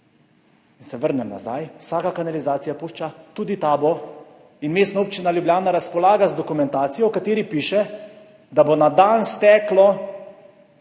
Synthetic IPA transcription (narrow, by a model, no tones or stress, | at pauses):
insɛʋəɾnɛmna̰za̰jwsaːkakanalizaːt̪sijapuːʃt͡ʃat̪uːd̪it̪aːbɔ | inmeːst̪nauːp̚t͡ʃinaljubjaːnaɾaspɔlaːɡazd̪ɔkumɛnt̪aːt̪sijɔwkat̪eːɾipiːʃɛ | d̪abonad̪anst̪ɛːklɔ